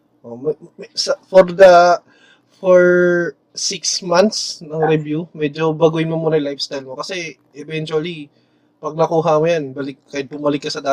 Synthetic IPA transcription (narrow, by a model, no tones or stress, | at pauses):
ʔomɛsɐfoɾd̪ɐ | foɹ | sɪksmant̪snɐŋɾɪbjumɛd͡ʒo̞bɐɡʊjɪnmɐmuːnɐjlajfst̪ajlmokɐsɛʔɛvɛnt͡ʃuɐli | pɐɡ̚nɐkuːɦɐmojanbɐlɪk̚kːaːjɪt̪̚bʊmɐlɪkːɐsɐd̪aː